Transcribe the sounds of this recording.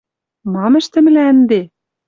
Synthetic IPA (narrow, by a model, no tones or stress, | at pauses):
mɑmɘ̆ʃt̪ɘ̆mɘ̆lænd̪e